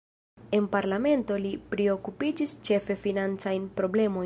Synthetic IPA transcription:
e̞npaɾlame̞nto̞lipɾeo̞kupid͡ʒist͡ʃe̞fe̞finant͡sajnpɾo̞ble̞mo̞

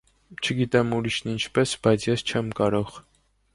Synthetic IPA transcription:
t͡ʃʰəɡit̪ɛmuɾiʃnint͡ʃʰpɛsb̥ɑjt͡sʰjɛst͡ʃʰɛmkɑɾɔʁ

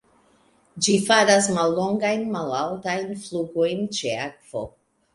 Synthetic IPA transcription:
d͡ʒifaɾas̬malːo̞ŋɡajnmalawtajnfluɡojnt͡ʃeakv̥o̰

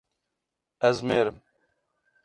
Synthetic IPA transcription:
ɛzmeːɾɨm

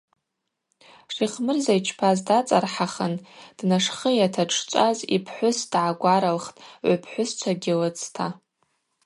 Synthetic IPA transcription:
ʂiχmɨrzajt͡ʃʰpʰazdat͡sʼarħaχənd̥naʂχəjatʰaʈ͡ʂʰt͡ʃʷʼazipʰħʷʊsd̥ʕaɡʷaɾalχtʼʕʷapʰħʷʊst͡sʷʰaɡʲɪlɨt͡sʰtʰa

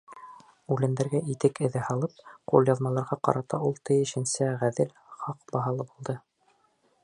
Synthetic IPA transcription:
ʉlæ̆nd̪æɾɡæʔit̪ɘkɘ̆ðɘhɑlˠɤp̚qulˠjɑðmɑlˠɑɾʁɑqɑ̰ɾɑt̪ɑulˠt̪ɤ̆jɘ̆ʃɘ̆nsæʁæðɘlχɑqbɑɦɑlˠɤbulˠd̪ɤ

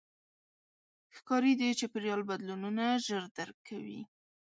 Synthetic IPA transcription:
xkɑɾid̪it͡ʃepəɾjɑlbad̪lununaʒəɾd̪aɾkʰːawḭ

